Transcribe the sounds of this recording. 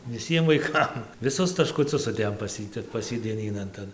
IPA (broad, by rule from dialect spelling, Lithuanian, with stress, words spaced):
ʋʲɪˈsʲiɛm ʋɐɪˈkɐm ʋʲɪˈsʊs tɐʃkʊˈt͡sʲʊs sʊˈdʲeːjoːm pɐs ˈjiː tʲɛp pɐs ˈjiː dʲiɛˈnʲiːnɐn ˈtɐn